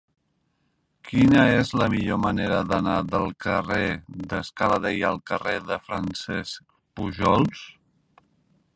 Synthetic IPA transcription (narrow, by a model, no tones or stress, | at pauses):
kʰinəezləmiʎoməneɾəðənaðəlˠkəreðəskaləðejəlˠkəreðəfɾənsɛsk | puʒɔlˠs